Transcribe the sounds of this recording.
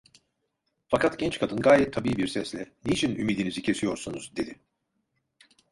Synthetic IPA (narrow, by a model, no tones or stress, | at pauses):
fakʰat̪ɟɛnt͡ʃkʰad̪ɯnɡaːjɛt̪ʰːabiːbiɾsɛslʲɛnit͡ʃʰinymiːd̪inizicʰe̞sijo̞ɾsunuzd̪e̞d̪ɪ